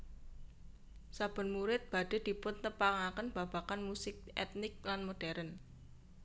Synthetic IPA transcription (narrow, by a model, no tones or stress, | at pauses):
sab̥ə̤nmuɾɪt̪̚b̥a̤ɖ̥e̤d̪̥i̤pʊnt̪əpaŋakənb̥ä̤b̥akanmusɪk̚ɛt̪nɪk̚lanmoɖ̥ɛɾən